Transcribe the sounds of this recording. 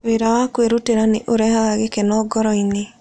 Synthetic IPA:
weɾawakweɾoteɾaneʔoɾɛhaɣaɣekenɔːɡɔɾɔine

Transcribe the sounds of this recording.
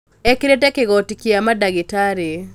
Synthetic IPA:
ɛkiɾetɛkeɡɔtikiamadaɡɪtaɾe

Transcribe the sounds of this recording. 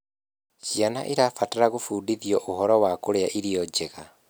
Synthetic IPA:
t͡ʃiana̰ʔiɾafataɾaɣofuːdiðiɔʔoɦɔɾɔwakoɾeaʔiɾiɔd͡ʒeɣa

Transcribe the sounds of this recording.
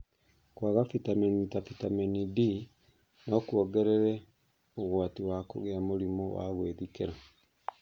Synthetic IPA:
kwaɣafitamɛnitafitamɛnidi | nɔkuɔɡɛɾɛɾɛ | oɣwatiwako̰ɣeamoɾimɔwa̰ɣweðikeɾa

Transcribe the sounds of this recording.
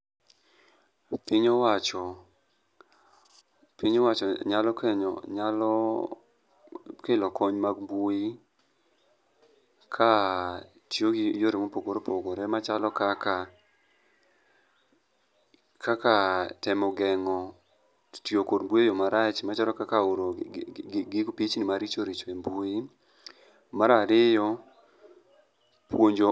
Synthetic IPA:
piɲowat͡ʃɔ | piɲowat͡ʃɔɲalɔkeɲɔ̰ɲalɔ | kelɔkɔɲmaɡbui | kʰa | tjoɡijoɾemopoɡoɾopoɡoɾɛmat͡ʃalɔkaka | kʰakatɛmɔɡɛŋɔ | tjokodmbujejɔmaɾat͡ʃmat͡ʃalɔkakaoɾo | ɡɪkpit͡ʃnɪmaɾit͡ʃoɾit͡ʃembuɪ | maɾaɾɪjɔ | pwoɲd͡ʒo

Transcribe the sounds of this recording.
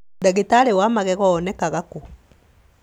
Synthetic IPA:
daɣetaɾewamaɣɛɣɔːnɛkaɣako

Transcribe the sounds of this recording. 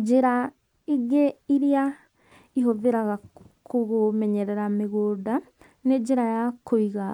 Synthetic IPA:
d͡ʒeɾa | iɣeiɾia | iɦoðeɾaɣa | kʰoɣomɛɲɛɾɛɾameɣoːda | ned͡ʑeɾajakʰoiɣa

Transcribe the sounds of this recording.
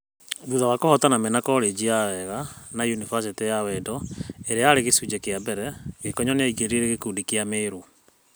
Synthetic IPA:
ðuðawakɔhɔtanamenakɔɾed͡ʑijawɛɣanajunivas̬etejawɛdɔeɾeaɾeɣesud͡ʒɛkeabɛɾɛɣekɔɲɔneaiɡeɾeɾeɣekudikeameːɾu

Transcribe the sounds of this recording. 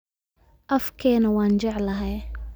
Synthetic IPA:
ʔɐfkʰɛːnɐwaːnt͡ʃɛʕlɐɦɛj

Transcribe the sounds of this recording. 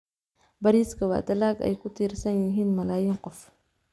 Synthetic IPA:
bɐɾiskɐwa̰ːd̪ɐlaːɡɐ̰jkʊt̪iːɾsɐnjuɦinmɐlaːjɪŋqɔf

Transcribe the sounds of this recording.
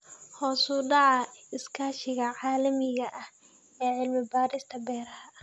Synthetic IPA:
hɔːsuɖɑʕɑɪskʰaːʃɪɣɐʕaːlɐmɪɣɐʔɐh | ɛːʕɪlmɪbaːɾɪst̪ʰɐbɛːɾɐhɐ

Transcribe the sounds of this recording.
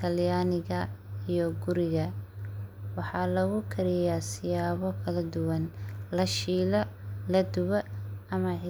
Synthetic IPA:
t̪ʰɐljaːnɪɣɐijɔɡʊɾɪɣɐ | wɑħɑːlɐɣʊkʰɐɾɪjasɪjaːβɔkʰɐlɐd̪ʊwɐnlɐʃiːlɐlɐd̪ʊβɐɐmɐʕɪ

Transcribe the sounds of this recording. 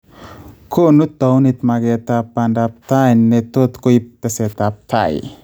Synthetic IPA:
kʰonut̪ːownit̪maɡet̪apandap̚t̪ajnnːet̪ot̪koip̚t̪eset̪ap̚t̪ʰa̰j

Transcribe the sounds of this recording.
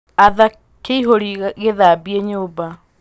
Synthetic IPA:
aða | keiɦoɾiɣeðabieɲoːba

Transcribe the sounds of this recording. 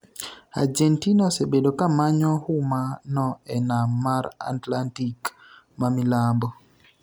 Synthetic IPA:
a̰d͡ʒɛntinɔsebedokamaɲɔhʊmanɔɛnamaɾa̰tlantik | mamilambɔ

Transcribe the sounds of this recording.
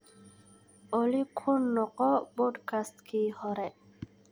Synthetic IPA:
ɔlikʰunːɔqɔbɔd̪kʰast̪kʰihɔɾɛ

